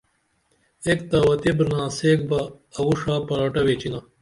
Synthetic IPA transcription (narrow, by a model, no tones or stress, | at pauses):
ekt̪aːwɐt̪ibɾnãːseːk̚bɐː | wuʂaːpɐɾaːʈɐweːt͡ɕinɐ